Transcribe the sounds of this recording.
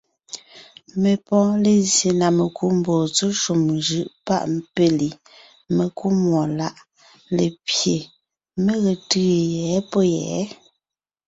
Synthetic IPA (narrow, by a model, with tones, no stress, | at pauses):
me˨pɔ̃˦le˨zje˨na˨me˨kʰu˦m̩˨boː˨t͡so˦ʃu˨mʒɯ˦˨ʔpa̰˦ʔm˦pe˦li˨ | me˨ku˦mwɔ˨la˦ʔ | le˨pje˨ | me˦ɣe˨tɯː˦jɛ˨˦po˦jɛ̰ː˨˦